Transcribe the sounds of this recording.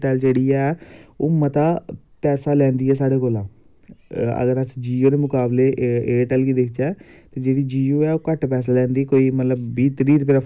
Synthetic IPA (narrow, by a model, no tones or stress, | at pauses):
ʈɛːld͡ʒeːɽiːɛːo̰ːmət̪aː | pɛːsaːlɛ̃ːnd̪iːɛːs̬aːɽeːkoːlaː | ə̰ɡəɾəsd͡ʒiːoːɾeːmʊkaːbleːeːʈɛːlkiːd̪ekʰd͡ʒɛːt̪eːd͡ʒeːɽiːd͡ʒiːoːɛːoːkəʈpɛːs̬aːlɛ̃ːnd̪iːkoːiːmət̪ləbːiːt̪ɾiːɾpɪɾa